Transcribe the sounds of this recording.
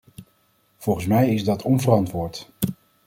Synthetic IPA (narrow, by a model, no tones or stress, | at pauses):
v̥ɔlˠχən̩s̬mɛjɪzdɑtɔnvərɑntʋʊːɹt